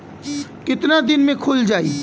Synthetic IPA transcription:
kɪt̪nad̪ɪnmẽkʰʊld͡ʒaːḭː

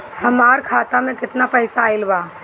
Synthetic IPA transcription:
hɐmaːɾkʰaːt̪amẽkɪt̪napəɪsaɪlbaː

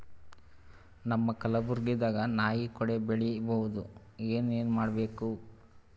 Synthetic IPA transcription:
nɐmːɐkɐlɐbuɾɡid̪aːɡɐnaːjikɔɽebeɭibɐʋud̪u | eːne̞ːnumaːɽɐbe̞ːku

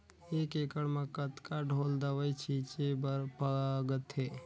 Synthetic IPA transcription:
ekekəɽmekət̪kaɖʱold̪əwəjt͡ʃʰit͡ʃebəpəɡət̪e

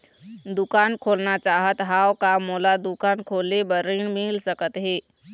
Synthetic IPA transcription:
d̪ʊkaːnkʰoːlnat͡ʃaːɦət̪ɦaːwkamoːlad̪ukaːnkʰoːlebəɾinmilsəkət̪ɦeː

